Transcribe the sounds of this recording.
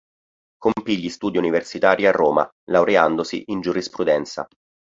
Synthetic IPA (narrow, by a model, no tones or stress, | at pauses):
kompiʎːist̪uːd̪iuniversit̪aːɾjiarːoːma̰ | lawɾeand̪osḭʔind͡ʒuɾispɾud̪ɛnt̪sa̰